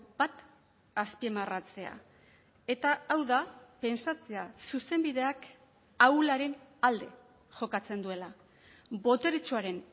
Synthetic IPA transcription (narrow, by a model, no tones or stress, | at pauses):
b̥at̪ | aspiemarat͡se̞a̰ | e̞t̪aːwðape̞nsat͡se̞asuse̞mbiðe̞ak | awlaɾe̞nald̪e̞ | ʝo̞kat͡se̞nd̪ue̞la | bo̞t̪e̞ɾit͡ʃuaɾe̞n